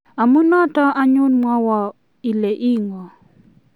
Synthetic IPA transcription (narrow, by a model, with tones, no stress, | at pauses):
a˨mu˦nɔ˦tɔ˦a˦ɲʊ˦nmwɔ˦wɔ˨ | i˨le˨ʔi˦ŋɔ˨